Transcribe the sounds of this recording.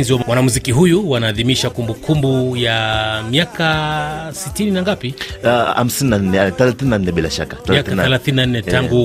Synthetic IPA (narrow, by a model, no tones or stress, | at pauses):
nziwamwanamuzikiɦujuwanaːðimiʃakumbukʰumbujamiakasitininaŋɡapiha̰m̩sininan̩ɛθɛlaθininan̩nɛɓilaʃa̰kaθaakaθɛlaθininannɛtaŋɡu